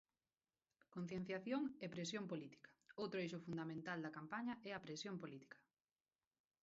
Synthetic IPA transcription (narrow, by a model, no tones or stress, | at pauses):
kon̟θjẽn̟θjaθjoŋɛpɾesjompolit̪i̥kɐ̥owt̪ɾʊejʃʊfund̪amẽnt̪ald̪ɐkampaɲɐʔɛɐpɾesjompolit̪i̥kʰɐ̥